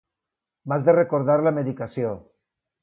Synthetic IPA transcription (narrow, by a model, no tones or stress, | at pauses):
mazðerekoɾðaɾlameðikasjo